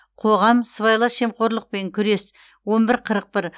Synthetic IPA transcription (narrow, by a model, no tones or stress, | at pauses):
qʰo̞ʁɑmsəβɑjlˠɑʃe̞mqo̞ɾlˠəq̚pe̞ŋkʲʰʏɾe̞s | wo̞nbɪɾqʰəɾəq̚pɪɾ